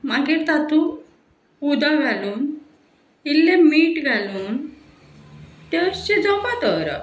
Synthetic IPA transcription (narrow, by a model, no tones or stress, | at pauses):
maɡiɾt̪at̪u | ud̪aɡʱaluːn | ilːemiʈɡʱaluːn | t̪eɕed͡zɔpat̪əɾa̰